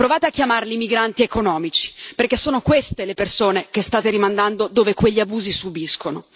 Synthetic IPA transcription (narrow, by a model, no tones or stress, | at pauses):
pɾovaːt̪eakʲːjamarliːmiɡɾant̪iekonɔːmit͡ʃi̥perkesːoːnokwest̪elepersoːnek̟est̪aːt̪eɾimand̪and̪od̪oːvekweʎːiabuːzisubiskono